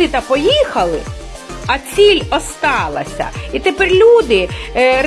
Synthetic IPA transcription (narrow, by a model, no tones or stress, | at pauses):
ɪt̪ɐpɔjixɐlˠɪ | ɐt͡sʲilʲɔst̪ɑlˠɐ̰sʲɐ̰it̪epɛrʲlʲud̪ɪr